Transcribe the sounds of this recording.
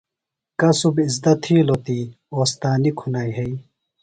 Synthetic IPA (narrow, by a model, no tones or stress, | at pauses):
kɐsubizd̪ɐt̪ʰiːlot̪i | oːst̪aːnikʰunaːjɦei